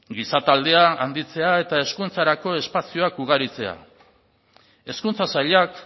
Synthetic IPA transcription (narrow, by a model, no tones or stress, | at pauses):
ɡisat̪ald̪e̞aand̪it͡se̞ae̞t̪ae̞skunt͡saɾako̞e̞spasio̞akuɣ̞aɾit͡se̞a̰ | e̞skunt͡sasaʎak